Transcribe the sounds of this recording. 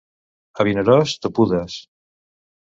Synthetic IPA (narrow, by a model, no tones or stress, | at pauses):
aβineɾɔst̪opuðas